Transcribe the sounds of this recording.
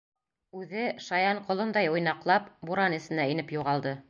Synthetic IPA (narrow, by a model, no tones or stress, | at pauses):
ʉðɘʃɑjɑɴqŏlˠŏnd̪ɑjŏjnɑqlˠɑpbuɾɑnɘ̆sɘ̆næĭnɘpjuʁɑlˠd̪ɤ